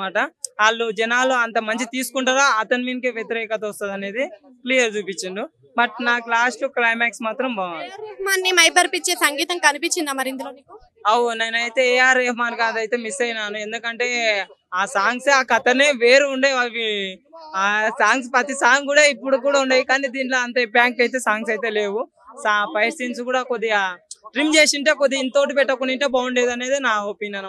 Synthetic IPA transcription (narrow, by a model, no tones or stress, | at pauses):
aːʈɐaːlːud͡ʒɛnaːluɐnt̪ɐmɐɲt͡ʃit̪iːsu̥kuɳʈaɾaːɐt̪ɐnmiːnkeːʋjet̪iɾɛːkɐt̪ɐɔst̪ɐd̪ɐne̞ːd̪i | klijɐɾt͡ʃuːpit͡ʃːiɳd̪i | bɐʈnaːklaːsʈuklɐjmaːksmaːt̪ɾɐmbɐanːiɾeɦmaːɾnimɐjbɐɾipit͡ʃːeːsɐŋɡiːt̪ɐŋkɐnipiɲt͡ʃːind̪amɐɾind̪uloːniku | ɐwuneːnɐjt̪e̞ːeːaːɾeːɦɐmaːɾkaːd̪ɐjt̪e̞ːmisɐjinaːnue̞nd̪ukɐɳʈe̞ː | aːsaːŋɡseaːkɐt̪ɐneːʋe̞ːɾuuɳɖaːjɐʋi | saːŋɡspɐt̪isaːɐŋkuːɽaːipːuɽuk̬uːɽaːuɳɖaːjikaːniːd̪iːɳʈloːɐnt̪ɐpjaːŋkɐjt̪e̞ːsaːŋɡsɐjt̪̬e̞ːle̞ːwu | sapɐjʈsinskuːɽaːkod̪iaʈɾimd͡ʒe̞ːsiɳʈe̞ːkod̪iːnt̪oːʈ̬ipɛʈːɐkuniɳʈeːbɐwuɳleːd̪ɐne̞ːd̪inaːɦoːpiːnɐnɐ